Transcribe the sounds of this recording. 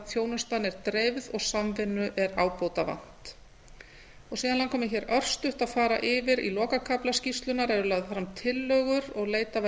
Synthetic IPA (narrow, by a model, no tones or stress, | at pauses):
θjoːwnʏst̪anɛɾ̥t̪ɾejvðɔɣsamvɪnːʏʔɛɾaːwpoːwt̪ava̰n̥t̪ | ɔɣsiːðanlankʰɔːmɪçɛːɾœr̥st̪ʏht̪aðfaːɾa̰ʔɪːvɪɾḭlɔːkakʰaplascist̪lʏnaɾɛɾʏlaɣðɪfɾamt̪ʰɪlːœːɣʏɾɔɣleːjt̪av